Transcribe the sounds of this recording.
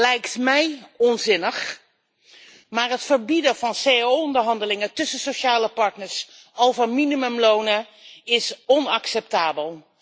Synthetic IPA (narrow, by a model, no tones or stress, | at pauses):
lɛjktmɛjɔnzɪnəχ | maːɹɦətfəɹbidəvɑnsejaowɔndəɹɦɑndəlɪŋətɵsəsoʃaːləpɑɹtnəɹs | owvəɹminimɵmlownə | ɪsɔnɑksɛp̚taːbəlˠ